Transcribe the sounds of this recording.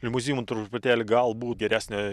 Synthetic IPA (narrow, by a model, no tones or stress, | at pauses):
ɪlʲmʊzʲiːjumt̪ɾʊpʲʊt̪ʲæːlʲɪɡɐlˠbuːt̪ɡʲɛɾʲæːsʲnʲɛ